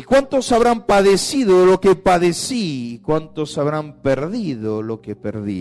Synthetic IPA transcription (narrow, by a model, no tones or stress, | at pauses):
ikwant̪osaβɾampaðesiðolokepaðesikwant̪osaβɾampeɾðiðolokepḛɾðḭ